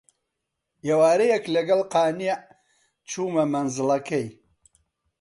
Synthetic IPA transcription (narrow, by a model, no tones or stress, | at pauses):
ewaːɾɐjɐklɐɡɐlqɑːneʕ | t͡ʃʰuːmɐmɐnzɨlˠɐkɐj